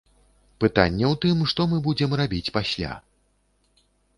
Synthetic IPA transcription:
pɨt̪a̰nʲːɛwt̪ɨmʂt̪ɔmɨbud͡zʲɛmrabʲit͡sʲpasʲlʲa̰

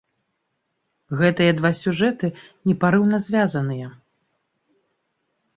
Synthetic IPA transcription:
ɣɛt̪ɨjɐd̪vasʲuʐɛt̪ɨnʲɛpaɾɨwnɐzʲvʲazɐnɨjɛ

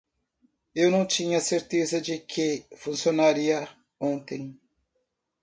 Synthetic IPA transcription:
ewnɐ̃w̃t͡ʃĩɲɐseɾt̪ezɐd͡ʒɪkʰɪfũsionaɾiɐ | õnt̪ẽj̃

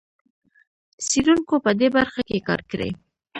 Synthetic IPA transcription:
siɾuŋkopəd̪ebaɾxakekɑ̰ɾkɾḛ

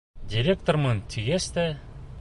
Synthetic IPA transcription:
dʲiɾʲek̚t̪ormɤnt̪ʲʰiɡest̪e

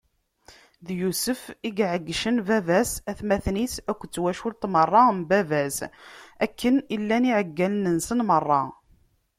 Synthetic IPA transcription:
ðjusəfiɡʕəɡːʃənvævæsæθmæθnisækʷːt͡sːwæʃʊɾt̪mərˤːɑmbævæzækːənilːæniʕəɡːælənənsənmərˤːɑ

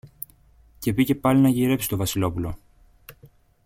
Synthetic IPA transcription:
ce̞pice̞pɐlinɐʝiɾe̞psi̥st̪o̞vɐsilo̞pulo̞

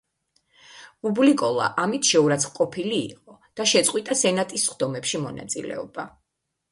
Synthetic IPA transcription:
ublikʼɔlˠa̰ʔamit̪ʰʃɛuɾat̪sʰχqʼɔpʰilḭːqʼɔd̪̥aʃɛt̪sʼqʼwit̪ʼasɛnat̪ʼisːχd̪ɔmɛpʃimɔna̰t̪sʼḭlɛ̰ɔba

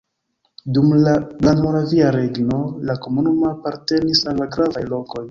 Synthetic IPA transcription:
dumlalanmoɾaviaɾe̞ɡno̞lako̞munumoapaɾte̞nisalːaɡɾavajlo̞ko̞j

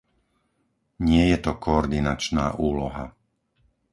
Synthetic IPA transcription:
ɲɪɛjɛt̪ɔkʰɔːɾd̪inat͡ʃna̰ːʔuːlɔɦa

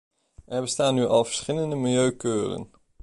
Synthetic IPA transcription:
ʔɛɹbəstaːnyʔɑlˠvəɹsχɪləndəmɪlˠjøɥkøːrə̰n

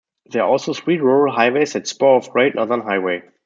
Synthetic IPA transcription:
ðɛɔlˠsoʊswiːtɹuɹəl̩ˠɦaɪweɪsɛtspɔɔvɡɹeɪtnɔðə˞nɦaɪweɪ

